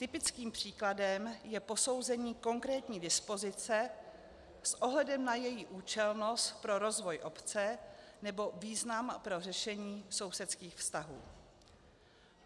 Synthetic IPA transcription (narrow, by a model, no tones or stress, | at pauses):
t̪ɪpɪt͡skiːmpr̝̥iːkladɛmjɛpo̞so̞wzɛɲiːko̞ŋkɾɛːt̪ɲiːdɪspo̞zɪt͡sɛ | sʔo̞ɦlɛdɛmnajɛjiʔuːt͡ʃɛlno̞st̪pɾo̞ɾo̞zvo̞jʔo̞pt͡sɛnɛbo̞viːznampɾo̞r̝ɛʃɛɲiːso̞wsɛt̪t͡skiːxfst̪aɦṵː